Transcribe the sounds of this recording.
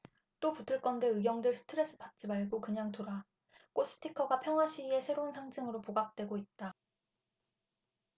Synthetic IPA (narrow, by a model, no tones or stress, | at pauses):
t͈oputʰɯɭk͈ʌnde̞ɯɡjʌŋdɯɭsʰɯ̥tʰɯɾe̞s͈ɯpat̚t͡ɕ͈imaɭɡokɯɲaŋtoɾa | k͈os͈ʰɯ̥tʰikʰʌɡapʰjʌŋɦwaɕʰiie̞sʰe̞ɾounsʰaŋd͡ʑɯŋɯɾopuɡak̚t͈we̞ɡoit̚t͈a